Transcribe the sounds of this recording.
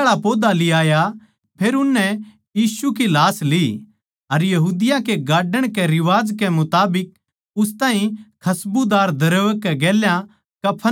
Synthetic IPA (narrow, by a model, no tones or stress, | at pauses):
ɽapoːd̪aliaːja | pʰeːɾʊnːɛ̃ | jiːsukilaːsli | ɐɾjɐɦuːd̪ɪjãkeɡaːɖəɽ̃kɛɾɪʋaːd͡ʒkɛmʊt̪aːbɪk̚ | ʊst̪ãːɦĩkʰɐsbud̪aːɾd̪ɐɾəːʋkːɛɡeːljã | kɐpʰːə